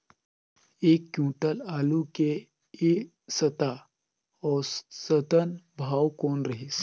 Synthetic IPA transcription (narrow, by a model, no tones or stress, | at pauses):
ekːjũːʈəlaluke | e | sət̪a | ɔɾsət̪ənbʱawkonɾəɦis